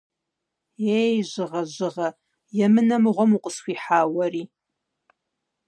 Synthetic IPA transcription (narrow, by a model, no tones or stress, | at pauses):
eːjʑɨʁɐʑɨʁɐ | jɛmɨnɐmɨʁʷɔmuqʼəsxʷiːħaːwɐriː